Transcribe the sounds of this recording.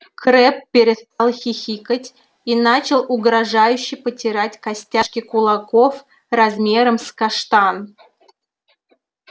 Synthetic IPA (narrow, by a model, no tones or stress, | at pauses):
kɾɛppʲːɪɾʲɪst̪ɑlˠxʲixʲikətʲ | inat͡ɕɪlˠʊɡɾɐʐajʉɕːɪjpətʲɪɾatʲkɐsʲtʲaʂkʲɪkʊlˠakof | rɐzmʲe̞ɾəmskaʂt̪an